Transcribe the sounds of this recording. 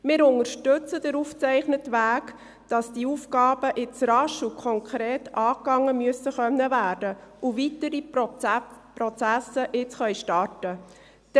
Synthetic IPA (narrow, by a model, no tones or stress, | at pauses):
mɪːɾʊŋəɾʃtʏt͡sədəɾuːft͡sɛɪχnətʋæːk | d̥ɑsd̥iuːfɡɑːb̥əʔɪt͡sɾɑʃukʰɔŋkʰɾeːtɑːkɑŋːəmyəsəχœnːəvæːɾdəʔuvitəɾi | prɔt͡sæsəʔɪt͡sχœɥʃtɑrtə̥